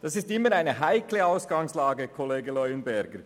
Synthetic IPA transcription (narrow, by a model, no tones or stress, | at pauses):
d̥ɑsɪstɪmːəɾaɪnəɦaɪkʰləaʊsɡ̥ɑŋslɑːɡəkʰɔleːɡəlœʏənbɛɾɡəɾ